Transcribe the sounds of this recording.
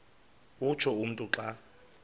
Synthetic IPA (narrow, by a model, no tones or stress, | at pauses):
ut͡ʃʰɔum̩tʼuǁa